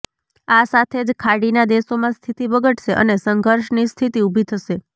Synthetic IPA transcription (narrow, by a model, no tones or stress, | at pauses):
asat̪ʰed͡ʒkʰaɽinad̪esomãst̪ʰit̪iʋəɡəʈʃeʔə̰nesəŋɡʱəɾʃnist̪ʰit̪iubʱit̪ʰəʃe